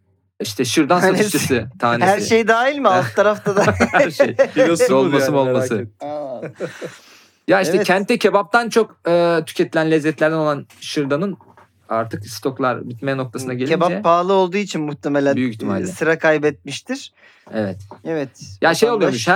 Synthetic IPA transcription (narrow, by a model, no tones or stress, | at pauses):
iʃt̪ʰɛʃɯɾd̪ansot̪ʰesɯt̪ʰaːnhæɾʃejd̪aːjilʲmɪalˠt̪ʰːaɾaft̪ʰad̪aejoolˠmaɯmolˠmaɯ | jaiʃʰɛcʰɛnt̪ʰːɛcʰebap̚t̪ʰant͡ʃʰo̞kɯːt̪ʰy̥cʰet̪ʰilʲænlʲɛzːɛt̪lʲæɾd̪ɛnolˠanʃɯɾd̪anɯn | aɾt̪ʰɯkst̪ʰo̞klˠa̰ɾbit̪mejɛno̞kt̪ʰasɯnaɟelʲebapʰːaːlˠɯo̞lˠd̪uːit͡ʃʰinmuht̪ʰemelʲænbyjyiçt̪ʰima̰lʲsɯɾakʰajbɛt̪̚miʃt̪ʰiɾ̥ | ɛvɛt̪ɛvɛt̪jaʃejoujomuʃh